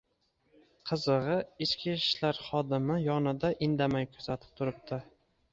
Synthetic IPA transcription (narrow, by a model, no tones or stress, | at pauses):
qʰɨzɨʁɨɪt͡ʃkʲiʃlaɾχɒd̪ɪmɪjɒnɪd̪aʔɪnd̪amajkʰɵzat̪ʰɪ̥p̚t̪ʰʊɾɪp̚t̪ʰɪ